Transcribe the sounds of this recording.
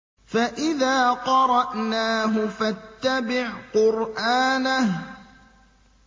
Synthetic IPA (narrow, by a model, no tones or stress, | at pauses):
faʔɪðaːqɑɾˤɑʔnaːɦʊfat̪ːabɪʕqʊɾʔaːnah